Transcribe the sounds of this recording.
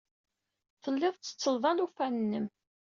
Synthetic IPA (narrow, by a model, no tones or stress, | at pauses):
fθəlːɪðˤt͡sːə̥t͡sːəlvˤɑnufænnːəm